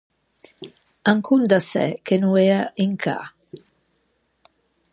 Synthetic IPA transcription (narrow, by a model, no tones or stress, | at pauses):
aŋkʰund̪asɛ̰kenueaiŋkʰa̰